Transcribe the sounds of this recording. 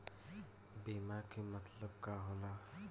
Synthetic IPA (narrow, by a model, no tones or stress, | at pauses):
beːmakimət̪ləb̚kaɦoːna